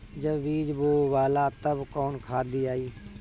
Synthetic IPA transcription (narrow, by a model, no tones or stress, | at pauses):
d͡ʒəbʋiːd͡ʒboːʋaːlaːt̪əbkɔːnkʰaːd̪iːaːiː